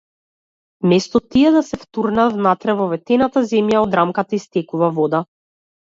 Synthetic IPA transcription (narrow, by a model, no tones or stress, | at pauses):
mɛst̪ɔt̪iɛd̪asɛft̪uɾnavnat̪ɾɛvɔvɛt̪ɛnat̪azɛmjaɔd̪ɾamkat̪aist̪ɛkuvavɔd̪a